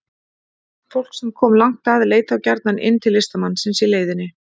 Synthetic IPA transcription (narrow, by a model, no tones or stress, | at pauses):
fowl̥ksɛmkʰɔːmlaŋ̥kt̪aðleːjt̪awcaɾt̪nanʔɪ̰nːt̪ʰɪlːɪst̪amanːsɛnsɪleːjðɪnːɪ